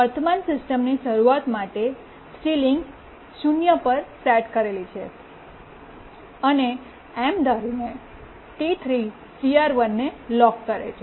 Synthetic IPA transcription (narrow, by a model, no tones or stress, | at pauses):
ʋəɾt̪ʰəmansɪsʈəmniʃəɾuat̪maʈe | siliŋɡ | ʃunjəpəɾsɛʈkəɾelit͡ʃʰḛ | əne | ɛmd̪aɾine | ʈit̪ʰɾi | siaɾʋənːelɔkːəɾḛt͡ʃʰe